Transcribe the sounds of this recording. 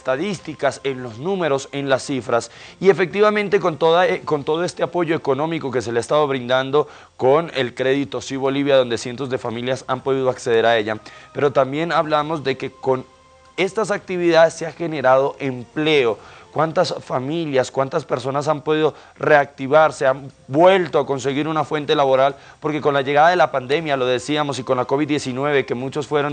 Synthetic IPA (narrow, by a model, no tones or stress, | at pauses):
est̪aðist̪ikase̞nlo̞znũme̞ɾo̞se̞nlasːifɾasie̞fe̞k̚t̪iβamẽ̞nt̪e̞kont̪oðakont̪o̞ðo̞e̞st̪e̞apo̞ʝo̞e̞ko̞nõ̞miko̞ke̞se̞leaest̪aβoβɾind̪and̪o̞ | kone̞lkɾe̞ðit̪o̞siβo̞liβjaðo̞nd̪esje̞nt̪o̞zðe̞familjasampo̞ð̞iðo̞akseð̞e̞ɾae̞ʝape̞ɾo̞t̪ambje̞naβlamo̞zd̪e̞ke̞ko̞n | e̞st̪asak̚t̪iβiðaðesːeaxe̞ne̞ɾað̞o̞ʔemple̞okwant̪asfamiljaskwant̪aspe̞ɾso̞nasampo̞ðiðo̞ | re̞ak̚t̪iβaɾse̞ambwe̞lt̪oako̞ns̬e̞ɣiɾunafwe̞nt̪e̞laβo̞ɾal | po̞ɾke̞ko̞nlaʝeɣaðaðe̞lapand̪e̞mjalo̞ðe̞siamo̞siko̞nlako̞βid̪ːje̞sinwe̞βe̞ke̞mut͡ʃo̞sfwe̞ɾon